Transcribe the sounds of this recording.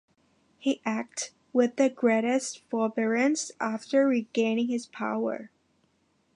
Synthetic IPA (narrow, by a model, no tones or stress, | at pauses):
hiʔæk̚t | wɪðɨɡɹeɾɨstfɔlˠbɛɹɨ̃nsʔæftə˞ɹiɡẽɪ̃nɪ̃ŋɨz̥pʰa̰ʊə̰˞